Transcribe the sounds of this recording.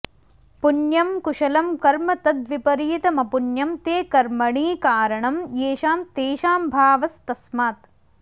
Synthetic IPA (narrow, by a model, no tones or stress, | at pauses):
punjɐmkuʃɐlɐmkɐɾmɐt̪ɐd̪ʋipɐɾiːt̪ɐmɐpunjɐmt̪eːkɐɾmɐɳiːkaːɾɐɳɐmjeːʃaːmt̪eːʃaːmbʱaːʋɐst̪ɐsmaːt̪